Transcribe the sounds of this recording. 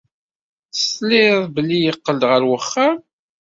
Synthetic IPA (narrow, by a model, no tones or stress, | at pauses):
slɪðˤbəlːijəqːəld̪ʁəɾwəχːam